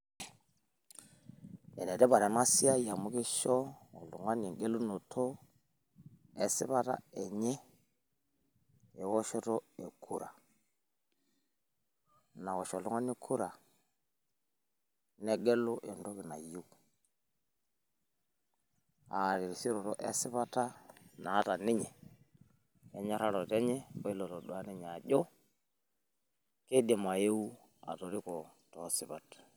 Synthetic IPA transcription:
ɛ̰˨nɛ˨ɾɛ˦βa˨ɾa˨na˦si˦a˦ja˨mu˦ke˦ʃɔ˦ɔ˨lṵ˨ŋwa˦n˨ɛ˨ŋɡɛ˦lu˦no˨tʰɔ˦ | ɛ˨sḭ˦βa˦ɾa̰˦ɛ˨ɲɛ˦ | ɛ˨wɔ˦ʃɔ˦ɾɔ˦ɛ˨kʰu˦˨ɾa̰˨ | na˨wɔ˨ʃɔ˨lu˦ŋwa˦n˦i˦kʰu˦ɾa˨ | nɛ˦ɡɛ˦lo˦ʔe˨ndo˦ki˨na˨ju˦k | a˨ɾi˨ɾi˨si˦ɾɔ˨tɔ˦ʔe˦si˦pa˦tːa˦naː˨˦ta˨nɪ˦ɲɛ˨ | e˦ɲe˦ɾa˦lɔ˨tɛ˦ɲɛ˦o˦i˦lo˨to˨dwa˦ni˦ɲ˨a˨ʄɔ˦ | ke˦de˨ma˨je˦u˦ | a̰˨to˨ɾi˦kɔ˨tɔ˨˦si˦pa˨t

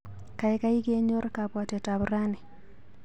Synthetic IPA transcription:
ka˨ɛ˦ka˦i˦ɡe˦ɲo˦ɾka˨pwa˨tɛ˨ta˨bʊɾa˦nɛ˨

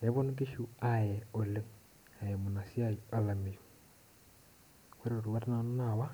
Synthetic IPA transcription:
e˨˦βo˦nu˦k̬e˦ʃu˦a˨jɛo˨le˦ | a˨jɛ˨mo˨na˨si˦a˦jia˨la˨me˨ju | we˦ɾo˨ɾu˨wa˦ta˦na˨no˦nawa˦

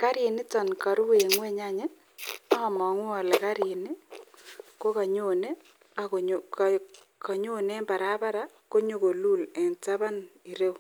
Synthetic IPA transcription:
ka˦ɾɪ˨nɪ˦ta˨nka˨ɾu˦we˨ŋwe˦ɲa˦ɲe˦ | a˦˨mɔ˨ŋ˦a˨le˨ka˦ɾi˨ni˦ | ko˦ka˨ɲo˦ne˦ | ka˨ɲo˦ne˦mba˨ɾa˦ba˦ɾa˦ | ko˦ɲo˦˨ko˨lu˦˨lɛ˨nta˦βa˦ni˨ɾe˦w

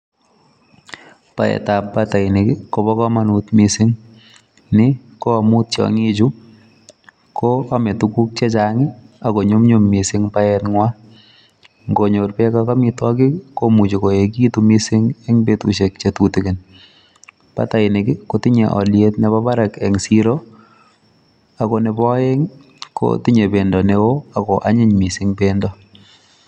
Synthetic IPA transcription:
pa̰˨ɛ̰tapbata˨ɪ˨nɪ˨kɪ˦kɔ˨bɔ˦kɔ˦ma˦nut̪misɪ˦ŋ | nɪ˦ | kɔ˦a˨mu˦t̚t͡ʃɔ̰˨ŋi˦d͡ʒu˦ | kɔamɛ˨tu˨ku˦k̚t͡ʃɛ˦t͡ʃaŋɪ˦a˨ko˨ɲo˦mɲo˦mːi˨sɪ˦ŋpa˦ɛtŋwa˦ | ŋɡo˨ɲoɾpɛ˦kaka˦mɪtwa˦kɪ˦ko˦mu˨t͡ʃi˨ko˨e˨k̬i˦tumi˦sɪ˦ŋɛ˦ŋbetṵ˨ʃe˨k̚t͡ʃe˨tuti˨ke˨n | pa̰˦ta˨ɪ˨nɪ˨kɪ˦koti˦ɲḛ˨ʔɔ̰˨ljet̚nɛ˨pa˦ba˦ɾa˨kɛ˨ŋsiɾo | a˨kɔnɛ˨bɔ˦jɛ˦ŋ | kʰo̰˦tɪ˦ɲe˨be˨ndɔ˨newo˦a˨kɔʔa˦ɲɪ˦ɲmi˨sɪŋbendɔ˦

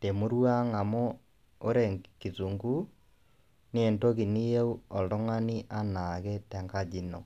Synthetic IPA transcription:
te˨mu˦ɾwa˦ŋa˨mo˦ | o˦ɾe˨ŋki˨t͡su˨ŋɡu˦ | nie˨nto˦ki˨ni˦je˦u˦ɔ˨lo˦ŋa˦ni˦ʔanaɣɛ˦tɛ˨ŋɡa˦d͡ʒino̰˨

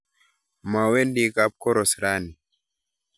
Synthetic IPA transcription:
ma˨we˦ndi˦ka˦p̚kɔ˦ɾɔ˨sɾa˦ni˨

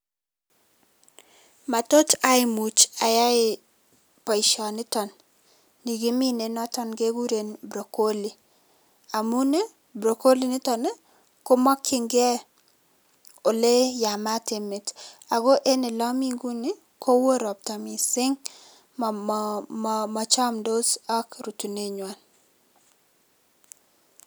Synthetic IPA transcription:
ma˨to˦ta˦ɪ˦mu˨t͡ʃa˨ja˦ɪ˨ | pɔ˨ɪ˨ʃɔ˨nɪ˦tɔ˨nː | i˨ɡɪ˦mi˦ne˨nɔ˦tɔ˦nɡe˦ɡu˦ɾe˨nbɾo˨ko˦li˨ | a˨mu˦ne˦ | bɾo˨ko˦li˦nɪ˦tɔ˨ne˦ | ko˦mɔ˦kʰːɪ˦ŋɡe˦ | o˨le˦ja˨ma˦tɪ˨mɪ˨ta˨ɡo˦ʔe˦ne˨lɔ˦mi˦ŋɡu˦nɪ˦ | kʰo˦wo˦ɾɔ˨p̚ta˨mi˨sɪ˦ŋ | m | mɔ˨t͡ʃɔ˦mdo˦sɔ˦kɾu˨tu˨ne˦ɲwa˨n

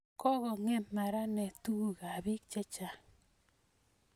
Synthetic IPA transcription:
kɔ˦ɣɔ˨ŋɛ˦˨mma˨ɾa˦nɛ˨tu˦ɣa˨βi˦kt͡ʃɛ˦t͡ʃa˨

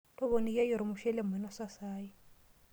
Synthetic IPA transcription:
tʼɔ˦βo˨ni˨ja˦ji˨ɾɪ˨mʊ˨ʃɛ˦le˦m˨ɛ˨na˦sa˦saː˦ji˦

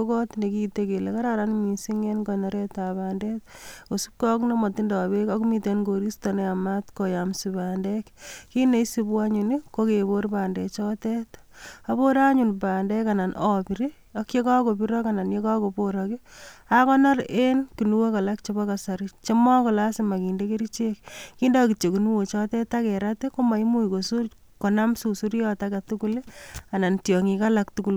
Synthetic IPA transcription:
okɔ˦t̪ne˨ki˦teke˨leka˦ɾaɾanmi˨si˦ŋenkɔ˨nɔɾe˦ta˨baːndɛtko˨sup̚kɔ˦knɔ˦mɔ˨ti˦ndɔ˨bekɔkmitenɡo˨ɾi˦stɔneamat̪ko˨jamsibaːndɛkki˦ne˨isi˦bu˦aɲu˨nikokeboɾpaːnde˨t͡ʃɔtɛt̪abo˦ɾaɲunpaː˨ndɛkana˨nɔpi˨ɾi | ɔ˦kje˦ka˦ko˨piɾɔkana˨njeka˦ko˨poɾɔki˦akɔ˦na˦ɾe˦nki˨nu˦wo˦ka˨la˦k̚t͡ʃe˦bɔ˦ka˨sa˨ɾit͡ʃe˦mɔ˦kɔ˨la˦sɪ˦ma˨kiː˨ndeke˦ɾi˦t͡ʃe˦k̚kiː˦ndɔ˦kit͡ʃe˨ki˨nu˦wo˨t͡ʃɔ˦tɛ˦ta˦kɛ˨ɾateko˦ma˨i˦mu˦iko˨su | ko˨na˦msu˨su˦ɾjɔtaka˨tukula˨na˨ntjɔ˨ŋika˦lak̚tuku˦l

